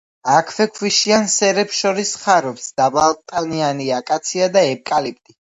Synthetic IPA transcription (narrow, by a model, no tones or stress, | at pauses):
akʰvɛkʰwiʃiansɛɾɛpsʃɔɾisχaɾɔpsd̪̥abalˠt̪ʼanianiakʼat̪sʰiad̪aɛp̚ʼkʼalip̚ʼt̪ʼi